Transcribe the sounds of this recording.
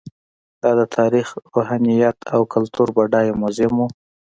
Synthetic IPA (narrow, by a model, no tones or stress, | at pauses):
d̪̥ɑd̪ət̪ʰɑɾixɾoɦɑnijat̪ʰawkalt̪uɾbaɖɑjemʊzemu